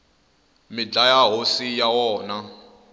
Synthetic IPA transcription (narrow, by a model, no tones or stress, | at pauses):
mɪd͡ɮajaɦosijawɔːna